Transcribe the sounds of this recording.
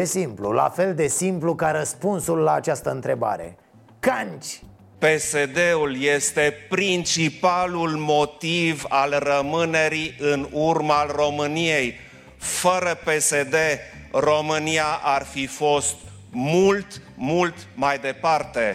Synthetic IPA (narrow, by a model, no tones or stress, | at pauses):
esimplula̰fe̞ld̪e̞simplukaɾəspunsulːaːt͡ʃast̪əɨnt̪ɾe̞ba̰ɾe̞̰ | kanʲt͡ʃʲ | pe̞sed̪eulje̞st̪e̞pɾint͡ʃipalulmo̞t̪ivalrəmɨne̞ɾiʔɨnurmalro̞mɨnijej | fəɾəpe̞se̞d̪e̞ro̞mɨniaʔarfifo̞st̪̚ | mult̪mult̪majd̪e̞part̪e